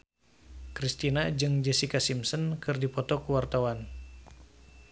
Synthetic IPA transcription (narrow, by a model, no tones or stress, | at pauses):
kɾist̪inad͡ʒɨŋd͡ʒɛsikasimsənkɨrdipɔt̪ɔkuwart̪awan